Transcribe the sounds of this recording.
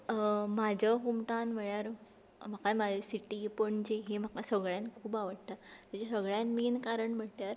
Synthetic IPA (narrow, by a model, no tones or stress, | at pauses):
mad͡ʑʱəɦumʈãnʋəɭjaɾ | m̤akamad͡ʑesiʈipəɳd͡ʑeɦemakasəɡɭjankʰuːbaʋəɽt̪at̪at͡ɕesəɡɭjanminkaɾəɳm̤əʈ̪jaɾ